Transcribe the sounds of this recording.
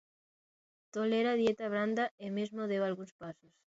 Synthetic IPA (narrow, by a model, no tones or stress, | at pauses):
t̪oleɾaðjet̪aβ̞ɾand̪aemezmoðewalɣunspasos